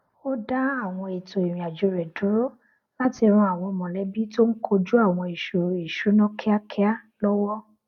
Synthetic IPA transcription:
o˦da˦a˦˨w̃ɔ̃˧e˨to˨e˨ɾ̃ĩ˨a˨d͡ʒo˨ɾɛ˨du˨˦ɾo˦ | la˦ti˧ɾ̃ũ˧a˨w̃ɔ̃˧mɔ̃˨lɛ˨˦bi˦to˦n̩˦kʰo˧d͡ʒu˦a˦˨w̃ɔ̃˧i˨ʃu˨i˨ʃu˨˦nɔ̃˦kʰa˦kʰɛ˦a˦ | lɔ˦wɔ˦

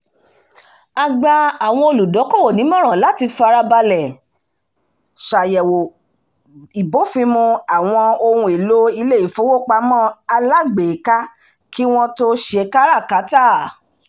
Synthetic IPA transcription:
a˨ɡ͡ba˧a˨w̃ɔ̃˧o˧lu˨dɔ˨˦kɔ˦˨wo˨nĩ˨˦m˦ɔ̃˦ɾ̃ã˨la˨˦ti˧fa˧ɾa˧ba˧lɛ˨ | ʃa˨jɛ˨wo˨ | i˨bo˨˦fĩ˧˦mũ˧a˨w̃ɔ̃˧o˧ɾũ˧e˨lo˦i˧le˦˨i˨fo˨˦wo˦˨k͡pa˧˦mɔ̃ː˦˨a˧la˦ɡ͡be˨ka˦ | kʰi˦w̃ɔ̃˦to˦ʃe˧˦ka˦ɾa˦˨ka˨˦ta˦˨

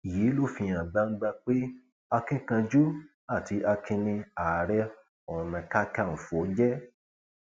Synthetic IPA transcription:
i˨jiː˨˦lo˦˨fĩ˧j̃ã˨ɡ͡bã˧˦ŋ̩˦ɡ͡bã˧k͡pe˦ | a˧kĩ˦kã˧d͡ʒu˦ | a˦˨ti˧ʔa˧kʰĩ˧nĩ˧a˨ɾɛ˦ | ɔ̃˨nã˨˧ka˦ka˦˨fu˨o˨˦d͡ʒɛ˦

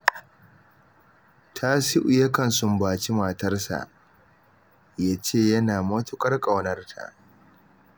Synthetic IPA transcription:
tʰa˦si˦ʔʊ˨jɐ˦kɐ˨nsʊ˦mbaː˨t͡ʃi˦maː˨tɐ˦rsa̰˨ʔ | jaː˦t͡ʃeː˦˨jɐ˦naː˨mɐ˦tʊ˦kʼɐ˦rkʼɐ˨wnɐ˦rtʰa̰˨ʔ

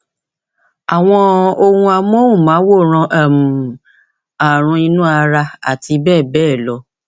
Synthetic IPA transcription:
a˨w̃ɔ̃˧o˧hũ˧a˧m˦o˦wũ˦˨mãː˨˦wo˦˨ɾ̃ã˧ʔa˦˨mũ˨ | a˨ɾ̃ũ˧i˧nũ˦a˧ɾa˧a̰˨ti˧˦bɛː˦˨bɛː˦˨lɔ˧˦

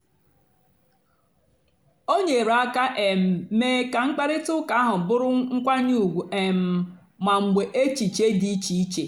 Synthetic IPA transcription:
o˦ɲe˨ɾa˦ka˦ʔe˨m̩˨˦meː˦ka˨ŋ͡m̩˦k͡pa˦ɾɪ˦tʊ˦ka˦ɦʊ˨bʊ˦ɾʊ˦ŋ̩˦kʷa˦ɲu˦˨ɡʷu˨ʔe˨m̩˨ | ma˨ŋ͡m̩˨ɡ͡be˨ʔe˦t͡ʃi˨t͡ʃe˦di˦i˦t͡ʃi˨i˦t͡ʃe˨

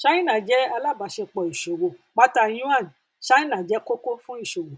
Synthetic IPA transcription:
ʃa˦ĩ˦nã˨d͡ʒɛ˦a˧la˦˨ba˨˦ʃe˧k͡pɔ˨i˨ʃo˨wo˨k͡pa˦ta˧j̃ũ˦ã˦˨n˨ | ʃa˦ĩ˦nã˨d͡ʒɛ˨˦ko˦ko˦fũ˦i˦˨ʃo˨wo˨

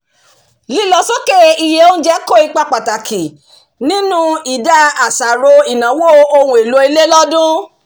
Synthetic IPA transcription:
li˦lɔ˧so˦ke˦i˧je˧õ˦d͡ʒɛ˦ko˦˨i˧k͡pa˧k͡pa˨ta˨kʰi˨ | nĩ˦nũ˦i˨da˦a˨sa˨ɾo˧i˨nã˨˦wo˦o˧hũ˧˦i˨lo˧˦i˧le˦lɔ˦dũ˦

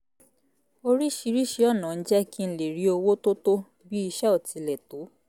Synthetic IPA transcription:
o˧ɾi˦ʃi˧ɾi˦ʃi˧˦ɔ˦˨nã˨n̩˦d͡ʒɛ˦ki˦n̩˦le˨ɾi˨˦o˧wo˦to˦to˦ | bi˦i˧ʃɛ˦ɔ˦˨ti˨˧lɛ˨to˨˦

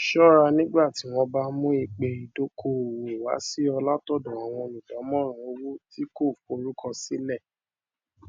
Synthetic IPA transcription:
ʃɔ˦ɾa˧nĩ˦ɡ͡ba˦˨ti˨˦w̃ɔ̃˧ba˦mũ˦i˧k͡pe˧i˧do˦kʰo˧˦˨we˨wa̰˨˦si˦ɔ˧la˦tɔ˦˨dɔ̃˨a˨w̃ɔ̃˧nĩ˨d͡ʒɔ˨˦mɔ̃˦ɾ̃ɔ̃˨˦o˧wo˦ti˦ko˦˨fo˧ɾu˦kʰɔ˧si˦lɛ˦˨

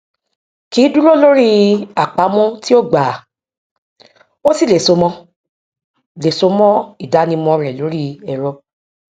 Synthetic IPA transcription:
kiː˨˦du˦ɾo˦˨lo˦ɾi˦a˨k͡pa˨˦mɔ̃˦ti˦o˦ɡ͡ba˨ | o˦si˦˨le˨so˨˧mɔ̃˦ | le˨so˨˧mɔ̃˦i˦˨da˨˦nĩ˧mɔ̃˧ɾɛ˨lo˨˦ɾi˦ɛ˨ɾɔ˧

